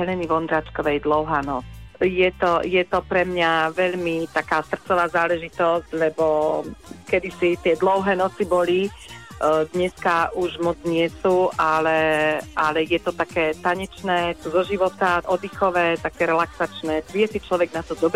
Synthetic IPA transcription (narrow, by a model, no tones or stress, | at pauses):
ɦɛlɛniʋɔnd̪ɾaːt͡ʃkɔʋɛjd̪lɔʊɦaːnɔt͡sjɛt̪ɔjɛt̪ɔpɾɛmɲaʋɛʎmit̪akaːsr̩t͡sɔʋaːzaːlɛʒit̪ɔsclɛbɔ | kɛd̪isit̪ɪɛd̪lɔʊɦɛːnɔt͡sibɔli | d̪ɲɛskaʔuʒmɔd͡zɲɪɛsuːʔalɛʔalɛjɛt̪ɔt̪akɛːt̪aɲɛt͡ʃnɛːzɔʒiʋɔt̪aʔɔd̪ixɔʋɛːt̪akɛːɾɛlaksat͡ʃnɛːʋiɛsit͡ʃlɔʋɛɡnat̪ɔd̪ɔbɾ